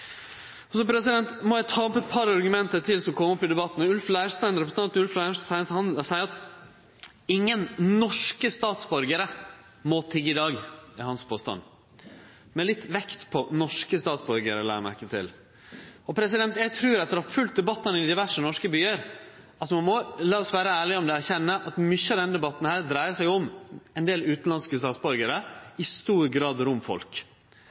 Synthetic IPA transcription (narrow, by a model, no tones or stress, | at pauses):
ɔsɔpʰɾɛsɪd̪ɛnt̪mɔjæt̪ʰɑːpɛt̪̚pʰɑɾɑɾɡʉmɛnt̪əʈ̪ʰɪlsɔmkʰɔmːɔpɪd̪ɛbɑt̪ːn̩ɔʉlflæːʂt̪æɪnɾɛpɾəsn̩ɑnt̪ʉlflæsæɪhɑnsæɪəɾɑt̪ | ɪŋːənnɔʂkəst̪ɑːt̪sbɔɾɡəɾə | mɔt̪ʰɪɡɪd̪ɑːɡɪhɑnspʰoːst̪ɑ̰n | mɛlɪt̪ːʋɛkt̪pʰɔnɔʂkəst̪ɑːt̪sbɔɾɡəɾəlæ̰ːɾmæ̰ɾkət̪ʰɪ̰l | ɔpʰɾɛsɪd̪ɛnt̪jæɡ̚t̪ʰɾʉːɾɑt̪̚d̪əɾhɑɾfʉlt̪̚d̪ɛbɑt̪ːɑnəɪd̪ɪʋæʂənɔʂkəbyːəɾ | ɑt̪mɑnmɔlɑːɔsʋæːɾəæːɭɪɔmd̪ɛæɾçɛnːəʔɑt̪mʏçːəɑʋd̪ɛnəd̪ɛbɑt̪ːn̩hæːɾd̪ɾæɪəsæɪɔmɛnd̪eːlʉːt̪n̩lɑnskəst̪ɑːt̪sbɔɾɡəɾəɪst̪uːɾɡɾɑːd̪ɾʊmfɔ̰lk